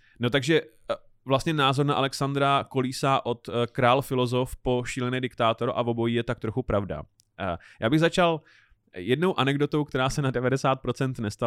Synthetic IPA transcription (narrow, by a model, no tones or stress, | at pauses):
no̞t̪aɡʒɛ | vlast̪ɲɛnaːzo̞ɾnaʔalɛksand̪ɾako̞liːsaʔo̞t̪kɾaːlfɪlo̞zo̞fpo̞ʃiːlɛnɛːdɪkt̪aːt̪o̞ɾʔavo̞bo̞jiːjɛt̪ak̚t̪ɾo̞xupɾavda̰ | jaːbɪɣzat͡ʃal | jɛdno̞wʔanɛɡdo̞t̪o̞wkt̪ɛɾaːsɛnadɛvadɛsaːt̪̚pɾo̞t͡sɛnt̪nɛst̪a